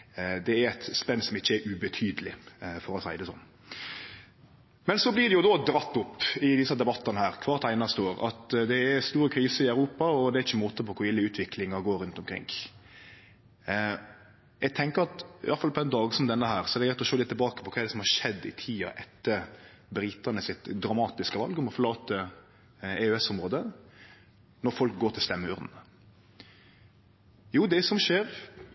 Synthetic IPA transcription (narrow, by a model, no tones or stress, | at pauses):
d̪ɛæɾɛt̪spɛnːsɔmɪçːəɛɾʔʉbɛt̪ʰyːd̪əlɪfɔɾɔsæɪd̪ɛsɔ̰nː | mɛnsɔblɪd̪ɛjʊd̪ɔd̪ɾɑt̪ːʊpːɪd̪ɪsɑd̪ɛbɑt̪ːɑnəhæːɾkʰʋɑːɾt̪ʰæɪnɑst̪əoːɾɑ̰t̪d̪ɛːɾst̪uːɾəkʰɾiːsəɪœʉɾuːpɑɔd̪ɛæɾɪçːəmuːt̪əpɔkʰʊɾɪlːəʉːt̪ʰʋɪklɪŋɑɡoːɾʉnt̪ɔmkʰɾɪ̰ŋ | jɛɪɡt̪ʰɛŋkəɾɑt̪ɪ̰ʔɑlfɑlpʰɔɛnd̪ɑːɡsɔmd̪ɛnːəhæːɾsɔɛd̪ɛɡɾɛt̪ːɔʂøːlɪt̪ːɪlbɑːkə̥pɔkʰɑːɛd̪ɛsɔmhɑɾʂɛd̪ːɪt̪ʰiːɑ̰ʔɛt̪ːəɾ | bɾɪt̪ənəsɪt̪d̪ɾɑmɑːt̪ɪskəʋɑ̰lɡɔmɔfɔɾlɑːt̪ə | ɛʉɛsɔmɾoːd̪ə | nɔɾfɔlk̚ɡoːʈ̪ʰɪlst̪ɛmːəʉɾd̪n̩ | juːd̪ɛsɔmʂeːɾ